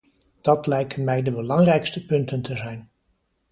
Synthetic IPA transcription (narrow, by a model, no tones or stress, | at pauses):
d̥ɑtlɛjkənmɛjdəbəlɑŋrɛjkstəpɵntəntʰəzɛjn